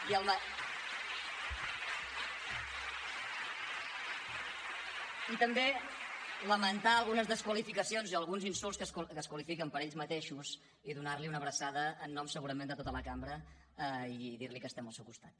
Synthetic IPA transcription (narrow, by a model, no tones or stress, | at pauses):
iəlˠmə | it̪əmbe | ləmənt̪aəlˠɣunəzðəskwəlifikəsionziəlˠɣunzinsulˠskəkəskwəlifikəmpəɾeʎzmət̪eʃuz | iðunaɾliunəβɾəsaðəːnːɔmsəɣuɾəmend̪ət̪ot̪ələkambɾə | iðiɾlikəst̪ɛməlˠsɛwkust̪at̪̚